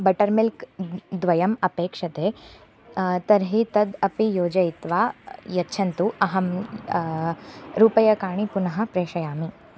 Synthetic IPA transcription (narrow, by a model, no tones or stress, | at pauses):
bɐʈɐɾmilkd̪ʋɐjɐmɐpeːkʂɐt̪eː | t̪ɐɾɦit̪ɐd̪ɐpijoːd͡ʒɐjit̪ʋaːjɐtːʃʰɐnt̪uʔɐɦɐm | ɾuːpɐjɐkaːɳ̃ipunɐɦɐ̆pɾeːʃɐjaːmi